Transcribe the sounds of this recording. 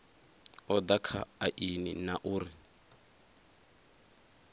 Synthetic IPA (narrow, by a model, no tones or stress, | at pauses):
ɔd̪akʰa̰aʔinḭnaʔuːɾi